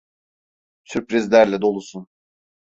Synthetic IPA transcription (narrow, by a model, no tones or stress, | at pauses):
syɾpɾizlʲæɾlʲɛd̪o̞lˠusun